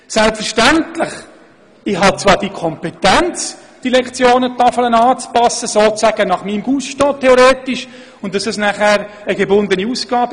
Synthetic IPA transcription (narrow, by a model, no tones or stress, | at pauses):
sɛlpfəɾʃtæntlɪχ | ɪɦɑt͡sʋɑːɾd̥ikʰɔmpetɛnt͡s | d̥ilɛkt͡sjoːnətɑfələnɑːt͡spɑsəsoːt͡sæɡ̥ənɑχmiːmɡuːsʃtɔːtʰeoɾeːtɪʃ | ʊnt̚d̥ɑsɑsnæχæːɾ | əɡebʊnd̪əniusɡ̥ɑːb